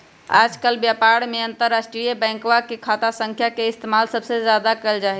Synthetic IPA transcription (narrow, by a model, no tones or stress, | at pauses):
a̰d͡ʒkəlbjapaɾmeənt̪əɾːasʈɾijəbɛ̃ːŋkwakekʰat̪asə̃ŋkʰjakeɪst̪emalsəbsezjad̪akɛld͡ʒaɦɛ